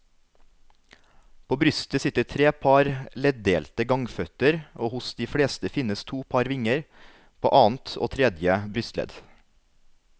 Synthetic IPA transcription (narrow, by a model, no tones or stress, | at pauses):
pʰoːbɾʏst̪əsɪt̪ət̪ʰɾeːpʰɑɾlɛd̪eːlt̪əɡɑŋfœt̪əɾʔoːhʊsd̪iːfɽeːst̪əfɪnəst̪ʰuːpʰɑɾʋɪŋəɾ | pʰo̰ːʔɑːn̩t̪ʰo̰ːt̪ʰɾɛd̪jəbɾʏst̪lɛ̰d̪